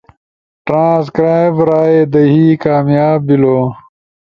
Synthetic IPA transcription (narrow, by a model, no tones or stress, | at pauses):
ʈɾãːs̬kɾaːjbɾaːed̪ɐɦiːkaːmjaːbːiloː